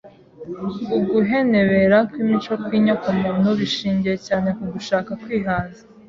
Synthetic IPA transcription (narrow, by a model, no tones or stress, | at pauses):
uɡuɦe̞ne̞βe̞ɾakwimit͡ʃokwiːɲakumuːnuβiʃiːɲɟijecaːne̞kuɡuʃaːkakwiːɦaːnzḁ